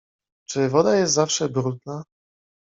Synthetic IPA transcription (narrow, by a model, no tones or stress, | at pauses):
t͡ʂɘvɔd̪ajɛst̪zafʂɛbɾud̪na